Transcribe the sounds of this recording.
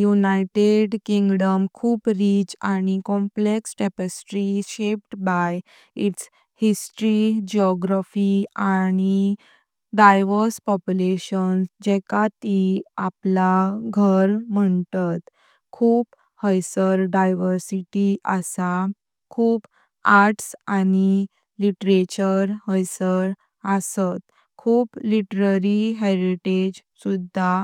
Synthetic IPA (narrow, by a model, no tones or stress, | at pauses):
junajʈeɖkiŋɡɖəmkʰuːpɾit͡ɕañikɔ̃mpleksʈɛpəsʈɾiɕep̚ʈbaj | iʈs | hisʈɾid͡ʑiɔɡɾafiañi | ɖajʋəɾspɔpjuleɕənsd͡ʑɛkat̪iaplaɡʱəɾməɳt̪at̪ | kʰuːp | həjsəɾɖajʋəɾsiʈiəsa | kʰuːp | aɾʈsañi | liʈɾet͡ɕəɾhəjsəɾ | əsat̪ | kʰuːpliʈɾəɾiɦeɾiʈed͡ʑsud̪ʱːa